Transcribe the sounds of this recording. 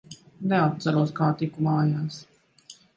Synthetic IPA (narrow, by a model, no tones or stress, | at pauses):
neat̪̚t̪sɛɾuɔskaːt̪ikumaːjaːs